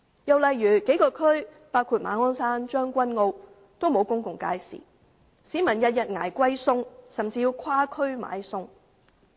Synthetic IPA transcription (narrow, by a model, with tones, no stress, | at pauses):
jɐ˨wlɐ˨jɥyː˨˩ke˨˥jkɔː˧kʰɵ˥ɥ | paː˥wkʰuː˧t̚ma̰ː˨˥nŋɔː˥nsaː˥nt͡ʃœː˥ŋkʷɐ˥nŋo˧w | t̪o˥wmo˨˧wkʊ˥ŋkʊ˨ŋka̰ː˧jsḭ˨˩ | siː˨˥mɐ˨˩njɐ˨t̚jɐ˨t̚ŋa̰ː˨˩jkʷɐ˥jsʊ˥ŋsɐ˨˩mt͡siː˧jiː˧wkʷʰwaː˥kʰɵ˥ɥma̰ː˨˧jsʊ˥ŋ